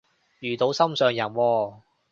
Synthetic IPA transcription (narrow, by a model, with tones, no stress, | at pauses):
jyː˨˩t̪o˨˧wsɐ˥msœː˨ŋjɐ˨˩nwɔː˧